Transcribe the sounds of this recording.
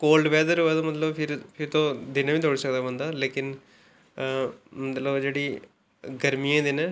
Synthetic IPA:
koːlɖʋɛːd̪əɾoːɛːt̪oːmət̪ləbpʰɪɾpʰɪɾt̪õːd̪ɪnaːʋiːd̪oːɽsək̚d̪aːbə̃nd̪aːleːkɪn | mət̪ləbd͡ʒeːɽiː | ɡəɾmijãːd̪ɪnɛ̃ː

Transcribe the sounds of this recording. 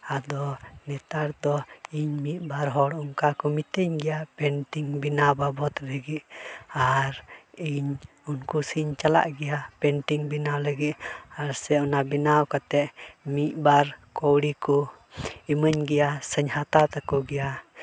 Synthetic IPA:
ad̪ɔnɛt̪aɾd̪ɔiɲmit̪̚baɾɦɔɽɔŋkakɔmit̪əɲɡɛjapɛnʈiŋbinawbabɔt̪ləɡit̪̚aɾiɲ | unkusiɲt͡ʃala̰ʔɡɛjapɛnʈiŋbinawləɡit̪̚aɾsɛɔnabinawkat̪ɛʔmiʔ̪̚baɾkɔwɽikɔ | iməɲɡɛjasəɲhat̪at̪akɔɡɛja

